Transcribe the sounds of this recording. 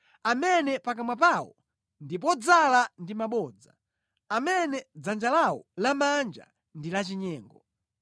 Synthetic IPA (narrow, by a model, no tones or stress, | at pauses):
amɛnɛpak̬amwapawɔ̰ | ndip̬ɔd͡zalandimaɓɔːd͡za̰ | amɛnɛd͡zand͡ʒalawɔ̰lamand͡ʒa̰ | ndilat͡ʃiɲɛːŋɡɔ